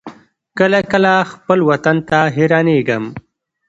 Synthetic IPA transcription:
kəlakəlaxpəlwat̪ant̪aɦeɾɑneɡəm

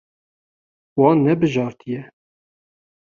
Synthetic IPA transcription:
wɑːnːɛbɨʒɑːɾt̪ʰɨjɛ

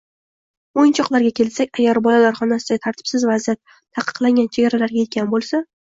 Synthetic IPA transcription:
ojɪnt͡ʃʰɒqlˠaɾɡʲakʲʰe̞lsakʲaɡʲaɾbɒlalaɾχɒnasɪd̪aɡʲat̪ʰaɾt̪ʰɪ̥psɪzvazijat̪ʰːaqɨ̥qlˠaŋɡʲant͡ʃʰeɡʲaɾalaɾɡʲaje̞t̪̚kʲanbolˠsa

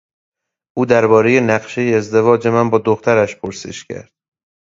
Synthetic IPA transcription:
ʔuːd̪æɾbɒːɾeje̞næɢʃe̞jeːzd̪e̞vɒːd͡ʒe̞mænbɒːd̪oxt̪ʰæɾæʃpʰoɾsḛʃcʰæ̰ɾd̪̥

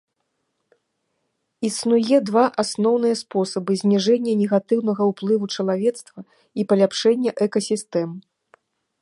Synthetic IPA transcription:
isnujɛd̪vaʔasnɔwnɨjɐspɔsɐbɨzʲnʲiʐɛnʲːɐnʲɛɣat̪ɨwnɐɣɐuplˠɨvut͡ʂɐlˠavʲɛt̪st̪vɐ | ipɐlʲapʂɛnʲːɐʔɛkɐsʲist̪ɛm

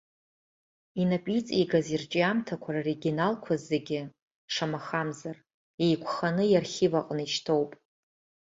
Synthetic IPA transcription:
inapʼit͡sʼiɡazirt͡ʃʼiamtʰakʷʰarareɡʲinalkʷʰazːeɡʲɪ | ʂamaχamzar | ejkʷʰχanɨjarχʲivaqʼniʃtʰo̞wpʼ

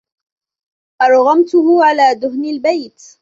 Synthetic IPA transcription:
ʔɑɾˤɣɑmt̪ʊɦʊʕalaːd̪ʊɦnalbajt̪

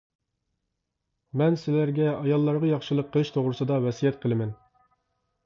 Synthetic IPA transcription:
mɛnsɪlæɾɡʲɛɑjɑlˠːɑɾʁɑjɑχʃɨlˠəqʰːəlˠɨʃt̪ʰoʁɾɨsɨd̪ɑvɛsijɛt̪̚qʰəlˠɨmɪn

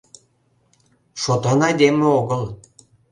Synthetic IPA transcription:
ʃot̪ɑnɑjd̪emeoɣəl

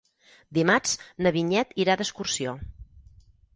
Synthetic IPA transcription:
d̪imat͡ʃnəβiɲɛt̪iɾad̪əskursio

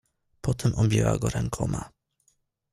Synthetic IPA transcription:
pɔt̪ɛmʔɔbʲjɛwaɡɔɾɛŋkʰɔma

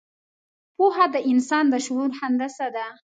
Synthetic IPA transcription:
poɦad̪əʔɪnsɑnd̪əʃʊɾuɾhand̪asad̪a

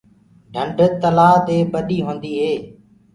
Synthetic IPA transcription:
ɖʱəɳɖʱət̪əlaːd̪eːɓəɗiːɦõːnd̪iːɦeː

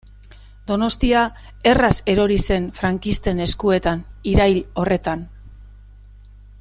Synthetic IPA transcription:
d̪o̞no̞st̪ia | e̞rase̞ɾo̞ɾise̞nfɾaŋkist̪e̞ne̞skue̞t̪aniɾajlo̞re̞t̪an

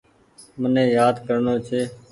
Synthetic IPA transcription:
mənẽːjaːd̪kəɾnoːt͡ʃʰeː

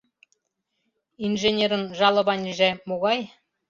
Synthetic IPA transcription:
inʒenʲeɾənʒɑlˠɤ̆bɑnʲiʒæmuʁɑj

